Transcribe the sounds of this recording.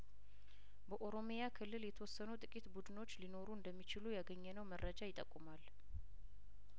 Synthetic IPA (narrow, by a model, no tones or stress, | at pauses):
bəʔo̞ɾo̞mjakʰɨlːɨljɛt̪ʰəwɔsːənut̪ʼɨkʼit̪bud̪ɨno̞t͡ʃːlino̞ɾuɨnd̪əmːit͡ʃɪlujaɡəɲːɛnəwməɾːəd͡ʒajɪt̪ʼːəkʼːumal